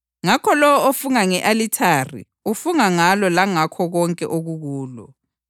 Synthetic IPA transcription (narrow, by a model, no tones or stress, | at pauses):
ŋakʰɔlɔwɔofuŋaŋɛʔalitʰarḭ | ufuŋaŋalɔlaŋakʰɔɣɔŋkʼɛ̰ʔoɣuɣuːlɔ̰